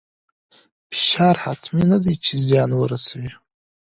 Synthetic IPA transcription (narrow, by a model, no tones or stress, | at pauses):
pʰʃarħatʰminadit͡ʃʰizjanwaɾasɥi